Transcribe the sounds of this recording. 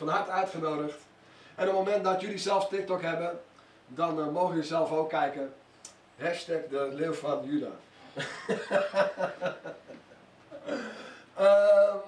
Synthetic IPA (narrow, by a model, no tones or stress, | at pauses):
fɔnɦartœɥtχənoːdəxt | ɛnopmomɛnt̚dɔtjylisɛlˠstɪk̚tɔkɦɛbə | dɔnmoːxəjəlisɛlˠfoːkʰːɛjkə | hɛstɛkdəlɪwfɔnjyda̰ː | ə